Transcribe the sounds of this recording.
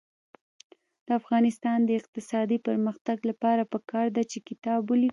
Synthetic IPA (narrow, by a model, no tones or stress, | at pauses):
d̪̥əafɣɑnɪst̪ɑnd̪əɪq̚t̪ɪsɑd̪ipəɾməxt̪aɡlapɑɾapəkɑɾd̪at͡ʃekɪt̪ɑbwəli